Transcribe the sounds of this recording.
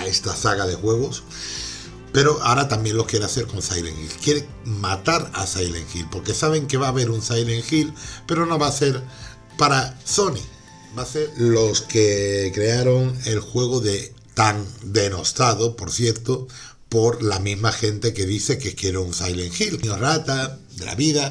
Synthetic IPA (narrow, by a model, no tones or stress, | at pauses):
aest̪asaɣaðe̞xwe̞ɣ̞o̞s | pe̞ɾo̞ʔaɾat̪ambje̞nlo̞hkje̞ɾeaθe̞ɾko̞nsajlḛŋxḭlkjeɾe | mat̪aɾa̰sajleŋxilpo̞ɾke̞saβ̞e̞ŋke̞βaːβeɾunsajle̞ŋxilpe̞ɾo̞no̞βase̞ɾ | paɾaso̞ni | base̞ɾlo̞skekɾe̞aɾo̞ŋe̞lxwe̞ɣ̞oðet̪aŋd̪e̞no̞st̪aðopo̞ɾθje̞ɾt̪o | po̞ɾlamizmaxe̞nt̪e̞ke̞ðiθe̞kekeɾounsajleŋxilɲorat̪a | d̪e̞lʔa̰βiða